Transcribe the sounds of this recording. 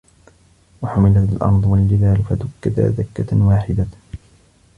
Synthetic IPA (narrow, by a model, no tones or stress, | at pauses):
waħʊmɪlat̪alʔɑ̰ɾˤd̪ˤwald͡ʒɪðaːlfad̪ʊkːɪd̪a̰ðakːawaːħɪd̪a